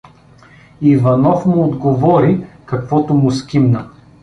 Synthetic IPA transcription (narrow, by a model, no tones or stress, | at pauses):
ivɐnɔfmʊːd̪ɡovɔɾikɐkvɔt̪ʊmʊskʲimnə